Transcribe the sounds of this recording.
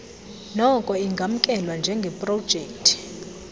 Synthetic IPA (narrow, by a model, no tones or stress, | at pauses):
nɔkʼɔiŋɡʱam̩kʼɛlwand͡ʒʱɛŋɡʱɛpʼrɔd̥d͡ʒ̥ʱɛːktʰʼi̥